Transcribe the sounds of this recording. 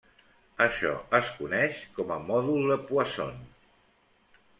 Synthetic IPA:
əʃɔ̰əskunɛʃkɔməmɔðulˠðəpuəso̰n

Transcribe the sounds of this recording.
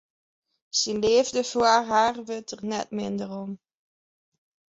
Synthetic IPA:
sinleːvdəfoərɦaːrʋøtʰərnɛ̰tmɪndərɔm

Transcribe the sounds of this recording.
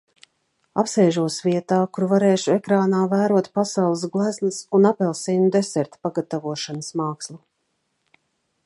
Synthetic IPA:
a̰psɛːʒuɔsviɛt̪aːkuɾvaɾɛːʃuɛkɾaːnaːvæːɾuɔt̪pasawlˠɨs̬ɡlˠæznɨsunapɛlˠsiːnud̪ɛsɛɾt̪paɡat̪avuɔʃanəsmɑːkslˠu

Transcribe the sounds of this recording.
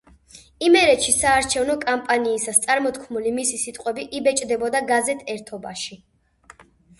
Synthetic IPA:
imɛɾɛt̪ʃisaːɾt͡ʃʰɛvnɔkʼampʼaniːsast̪sʼaɾmɔt̪ʰkʰmulimisisit̪ʼqʼwɛbiʔibɛt͡ʃʼd̪ɛbɔd̪aɡazɛt̪ʰɛɾt̪ʰɔbaʃi

